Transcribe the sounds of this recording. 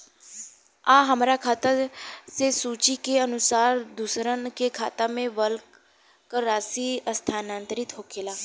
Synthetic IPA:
aːɦəmɾaːkʰaːt̪aseːsuːt͡ʃiːkeənʊsaːɾd̪usɾənkeːkʰa̰ːt̪aːmẽːʋəlk | kəɾaːsiːəst̪ʰaːnaːnt̪əɾɪt̪ɦoːkʰeːlaː

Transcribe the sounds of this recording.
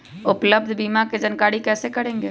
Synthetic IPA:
ʊpləb̚d̪ʱbiːmaked͡ʒɐnkaːɽikɛːsekɐɾẽːŋɡeː

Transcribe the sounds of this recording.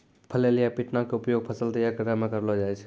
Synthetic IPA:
pʰəlelijapiʈnakeupjoɡ̚pʰəsəlt̪əjaɾkəɾəmekəɾlɔd͡ʒaɛt͡ʃʰɛ̥

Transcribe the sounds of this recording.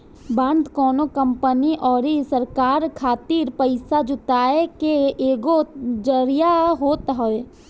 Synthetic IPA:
bə̃nd̪kɔːnokə̃mpəniʔɔːɾisəɾkaːɾkʰaːt̪iːɾpəɪsad͡ʒʊt̪aːekeʔeːɡod͡ʒəɾijaɦoːt̪ɦoe

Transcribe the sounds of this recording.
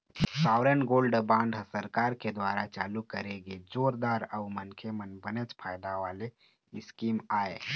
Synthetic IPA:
saʊɾənɡoːlɖəbãːɳɖəsəɾkaːɾked̪waɾat͡ʃaːlukəɾeɡed͡ʒoːɾd̪aːɾəʊmənkʰemənbənet͡ʃpʰajd̪aʋale | ɪskimaːḛ

